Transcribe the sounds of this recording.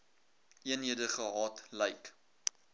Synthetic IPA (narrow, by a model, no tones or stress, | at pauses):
iənɦiədəχəɦɑːtlɛjk